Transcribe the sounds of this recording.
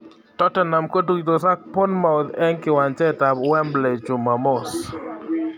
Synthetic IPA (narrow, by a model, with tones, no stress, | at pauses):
tɔ˦tɛ˨na˨mko˦tu˦ki˨t̪o˨sa˦k̚po˦nma˦˨ʊ˨d̪ɛ˦ŋkɪ˨wa˨nt͡ʃɛ˦ta˨bwɛ˦mblɛ˨t͡ʃu˨ma˨mo˦˨s